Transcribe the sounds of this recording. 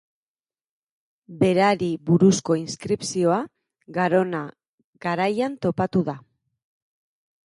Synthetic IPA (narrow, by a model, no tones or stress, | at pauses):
be̞ɾaɾiβuɾusko̞inskɾipsio̞a | ɣaɾo̞na | ɡ̥aɾajant̪o̞pat̪uða